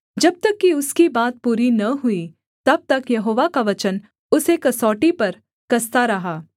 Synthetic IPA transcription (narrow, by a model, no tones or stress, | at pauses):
d͡ʒɐb̚t̪ɐkːiʊskibaːt̪̚puːɾinɐɦʊi | t̪ɐb̚t̪ɐkjɐɦoːʋakaʋɐt͡ʃən | ʊsekɐsɔːʈipɐɾ | kɐst̪aɾɐɦaː